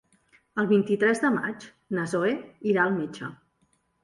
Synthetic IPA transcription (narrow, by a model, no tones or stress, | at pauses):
əlˠβint̪it̪ɾɛzðəma̰t͡ʃ | nəzoeiɾaəlˠmit͡ʃə̰